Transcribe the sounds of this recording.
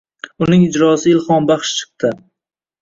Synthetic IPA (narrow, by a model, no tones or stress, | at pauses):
ʊnɪŋɪd͡ʒɾɒsɪɪlˠχɒnbɑχʃt͡ʃʰɨ̥q̚t̪ʰɪ